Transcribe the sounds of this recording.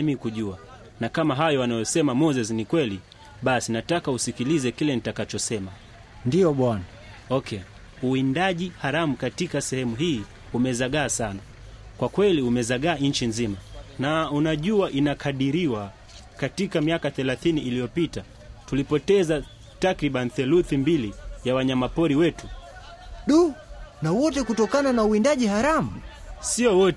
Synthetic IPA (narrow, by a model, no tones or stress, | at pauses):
mikuʄua | nakamaɦajɔwanajɔsɛmamɔzɛs̬nikwɛli | ɓasinatakausikilizɛkilɛnitakat͡ʃɔsɛma | ndiɔɓwana | ɔkʰɛ | uindaʄihaɾamukatikasɛhɛmuɦiː | umɛzaɠaːsana | kwakwɛliumɛzaɠaːɲn̩t͡ʃinzimanaunaʄuaʔinakʰaɗiɾiwa | katikamiakaθɛlaθiniʔilijɔpita | tulipɔtɛza | takɾiɓaniθɛluθimbilijawaɲamapɔɾiwɛtu | ɗunawɔtɛkutɔkananauindaʄihaɾamusiɔwɔtɛ